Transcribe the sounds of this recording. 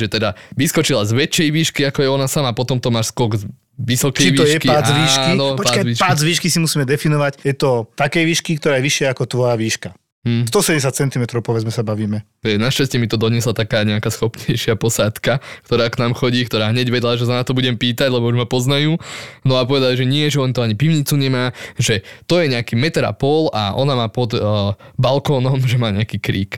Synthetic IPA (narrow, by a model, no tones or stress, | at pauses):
ʒɛt̪ɛd̪aʋiskɔt͡ʃilazʋɛt͡ʃːɛjʋiːʃkiakɔjɛɔnasamapɔt̪ɔmt̪ɔmːaːʃskɔɡz | ʋisɔkɛʋiːjʃɛkiaazʋiːʃkinɔpɔaakaiʃpaːzʋiːʃkisimusiːmɛd̪ɛfinɔʋacjɛt̪ɔt̪akɛjʋiːʃkikt̪ɔɾaːjɛʋiʃɪaakɔt̪ʋɔjaʋiːʃka | m̩ːs̬t̪ɔsɛɟɛsat̪t͡sɛnt̪imɛt̪ɾɔʊpɔʋɛd͡zmɛsabaʋiːmɛ | ɛjɛnaʃcascɛmit̪ɔd̪ɔɲɪɛslat̪akaːɲɛakaːsxɔpɲɛjʃɪapɔsaːt̪kakt̪ɔɾaːknaːmxɔɟiːkt̪ɔɾaːɦɲɛɟʋɛd̪laʒɛsanat̪ɔbuɟɛmpiːt̪aɟlɛbɔuʒmapɔznajuːnɔapɔʋɛd̪aliʒɛɲɪɛʒɛlɛnt̪ɔaɲipiʋʊɲit͡suɲɛmaːʒɛt̪ɔjɛɲɛakiːmɛt̪ɾa̰pɔlaʔɔnamaːpɔd̪balkɔːnɔmʒɛmaːɲɛakiːkɾḭːk